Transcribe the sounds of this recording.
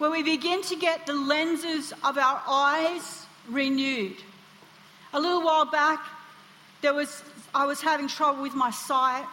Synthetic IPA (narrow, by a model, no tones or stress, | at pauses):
wə̃nwibɨɡɪ̃ntʰɨɡɛt̪̚ðəlɛ̃nzə˞zʌvaʊə˞ʔaɪz̥ | ɹinjʉɾ | əlɪɾl̩ˠwaɪlˠbæk̚ | ðə˞wʌzaɪwʌz̥hævɪ̃ŋtʰɹ̥ʌbl̩ˠwɨðmaɪsaɪt̚